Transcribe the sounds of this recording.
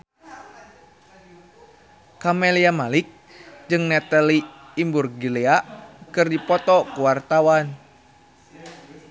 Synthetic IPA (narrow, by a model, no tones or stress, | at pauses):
kamɛliamalik̚ | d͡ʒɨŋnɛt̪aliː | mburɡilɛakɨrdipɔt̪ɔkuwart̪awan